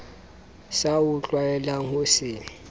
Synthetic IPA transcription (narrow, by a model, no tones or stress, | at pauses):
saʊt͡ɬʼwaɛlaʊsɪ